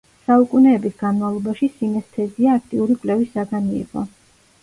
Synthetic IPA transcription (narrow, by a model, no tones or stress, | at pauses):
saukʼunɛːbisɡ̥anmavlˠɔbaʃisimɛst̪ʰɛziaːkʰt̪ʼiuɾikʼwlɛvisaɡaniḭʁɔ̰